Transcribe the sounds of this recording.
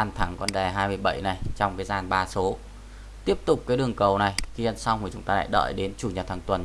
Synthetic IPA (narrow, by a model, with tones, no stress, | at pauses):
a˧˩nt̪ʰa˨˦ŋkɔ˧nɗɛ˨˩ɦaː˧jmɨ˧əjɓə̰˧˩˨jna˨˩jt͡ɕɔ˧wŋ͡mkaː˨˦jzaː˨˩nɓaː˧˩so˨˦ | t̪i˦˥əp̚t̪ʊ˨˩k͡p̚kaː˨˦jɗɨ˨˩əŋkə˨˩wna˨˩jxi˧ə˧˨nsa˧wŋ͡mu˨˩t͡ɕʊ˨˦ŋ͡mt̪aː˧la̰ː˧˨jɗə̰ː˧˨jɗe˨˦nt͡ɕu˧˩ɲə˨˩t̚t̪ʰaː˨˩ŋt̪wə˨˩n